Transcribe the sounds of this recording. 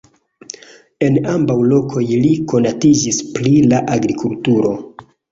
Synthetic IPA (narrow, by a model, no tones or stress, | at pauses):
e̞nambawlo̞kʰo̞jliko̞natid͡ʒisplilaʔaɡɾikʰultuɾo̞